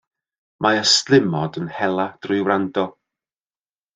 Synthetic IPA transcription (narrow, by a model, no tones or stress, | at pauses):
mʔaəstlˠɪmɔdənhɛlˠad̥rʊɨwrandɔ